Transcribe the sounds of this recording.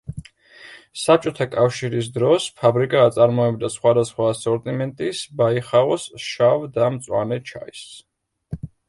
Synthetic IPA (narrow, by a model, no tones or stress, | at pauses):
sap̚t͡ʃʼɔt̪ʰakʼafʃiɾis̬d̪ɾɔspʰabɾikʼaːt̪sʼaɾmɔɛbd̪asχwad̪asχwasɔɾt̪ʼimɛnt̪ʼisbaiχaɔsʃavd̪amt̪sʼwa̰nɛt͡ʃʰa̰is